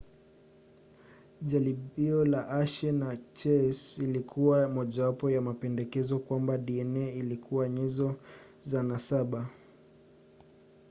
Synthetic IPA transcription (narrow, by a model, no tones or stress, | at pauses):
ʄaliɓiɔlaʔaʃɛnat͡ʃɛsilikʰuwamɔʄawapɔjamapɛndɛkɛzɔkwambaɗiɛnɛilikʰuwaɲɛzɔzanasaɓa